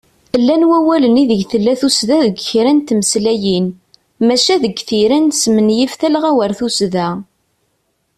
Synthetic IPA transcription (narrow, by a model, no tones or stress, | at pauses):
əlːænwæwæləniðəʝθəlːæθusðæðəɡçɾænt̪məslæjin | mæʃæðəɡθiɾænsmənjifθælʁæwəɾθusðæ